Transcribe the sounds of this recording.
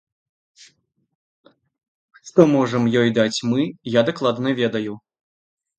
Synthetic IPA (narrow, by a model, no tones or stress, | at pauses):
ʂʂt̪ɔmɔʐɐmjɔjd̪at͡sʲmɨjad̪aklˠad̪nɐvʲɛd̪ɐju